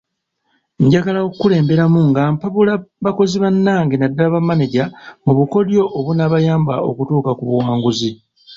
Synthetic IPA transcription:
ɲɟaɡalaokkule̞ːmbe̞ɾamuŋɡampaβulaβako̞ziβanːaːŋɡenadːaaβamːaneɟamuβuko̞djo̞ʔːβunaβajaːmbao̞̰kutuːkakuβuwaːŋɡuzi

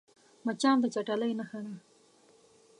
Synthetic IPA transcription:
mat͡ʃɑːnd̪ət͡ʃaʈalajnaxana

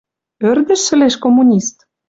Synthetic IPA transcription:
ø̆rd̪ə̆ʃːɘ̆leʃkomːunʲist̪

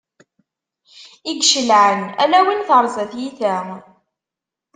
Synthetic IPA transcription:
iɡʃəlʕənælæwinθəɾˤzæθjiθæ

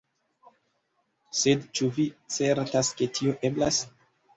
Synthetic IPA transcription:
se̞dt͡ʃuvit͡se̞ɾtaske̞tʰio̞ʔe̞blas

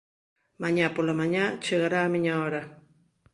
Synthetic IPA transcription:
maɲapʊlamaɲat͡ʃeɢɾamɪɲawɾa

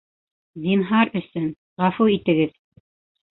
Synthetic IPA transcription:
zinɦɑɾɵ̆sɵn | ʁɑfuit̪ɘ̆ɡɘð

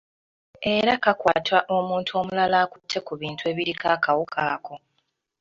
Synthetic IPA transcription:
e̞ɾakakwaːtwaʔo̞muːntʰuo̞ːmulalaːkutʰːe̞kuβiːntʰwe̞ːβiɾikaːkawukʰaːko̞

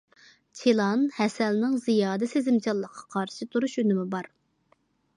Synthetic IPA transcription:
t͡ʃʰelˠɑnhɛsɛlnɪŋzijɑːd̪ɪsezɪmt͡ʃʰɑlˠːəqʰːɑ̥qʰɑɾʃɨt̪ʰuɾuʃønɪmɪbɑɾ

